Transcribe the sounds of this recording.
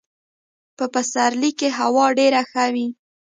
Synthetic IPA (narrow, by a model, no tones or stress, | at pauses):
pəpasaɾlikːeɦawɑɖeɾaxawi